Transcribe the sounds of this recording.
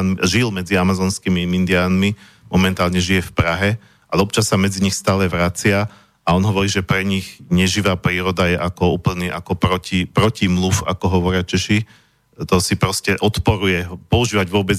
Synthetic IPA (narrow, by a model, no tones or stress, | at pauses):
nʒilmɛd͡ziamazɔːnskimimind̪ɪaːnmi | mɔmɛnt̪aːlɲɛʒijɛfpɾaɦɛ | ʔalɛɔp̚t͡ʃasːamɛd͡ziɲixst̪aːlɛʋɾat͡sɪa | aɔnɦɔʋɔɾiːʒɛpɾɛɲiɣɲɛʒiʋaːpɾiːɾɔd̪ajɛʔakɔuːpl̩niːʔakɔpɾɔcipɾɔcimlufa̰kɔɦɔʋɔɾɪat͡ʃɛʃi | t̪ɔsipɾɔscɛʔɔt̪pɔɾujɛɦpɔuʒiːʋaɟʋʊɔbɛd͡z